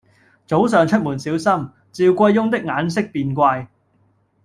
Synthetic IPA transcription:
t͡so˨˥ws̬œː˨˩ŋt͡ʃʰɵ˥t̚muː˨˩nsiː˨˥wsɐ˥m | t͡siː˧wkʷɐ˧jːʊ˥ŋt̪̬ɪ˥k̚ŋaː˨˥nsɪ˥k̚piː˧nkʷaː˧j

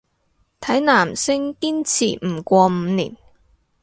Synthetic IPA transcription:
t̪ʰɐ˨˥jnaː˨˩msɪ˥ŋkiː˥nt͡sʰiː˨˩m̩˨˩kʷɔː˧m̩˨˧˦niː˨˩n

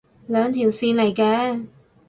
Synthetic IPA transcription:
lœː˨˧ŋt̪ʰiː˨˩wsiː˧nle˨˩jkɛː˧

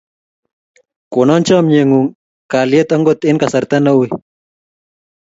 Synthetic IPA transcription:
ko˨nɔ˦nt͡ʃɔ˦mɲe˨ŋu˨ŋ | ka˨lje˦t̪a˦ŋɡot̪e˦nka˨sa˨ɾt̪a˦na˦wi˦

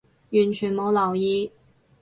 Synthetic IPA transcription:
y˨˩nt͡ɕʰy˨˩nmo˧˥ʊlɑ˨˩ʊi˥

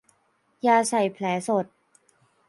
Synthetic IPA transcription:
jaː˧sa˨˩jpʰlɛː˩˦so˨˩t̪̚

